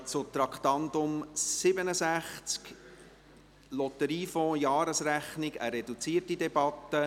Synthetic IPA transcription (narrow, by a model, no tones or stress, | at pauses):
t͡sʊt̪ɾɑkχt̪ɑnd̪ʊmsɪbənəsæχt͡sk | lɔt̪əɾiːfɔ̃jɑːɾəsræχnɪɡəɾɛdut͡siːərtidɛbɑt̪ːə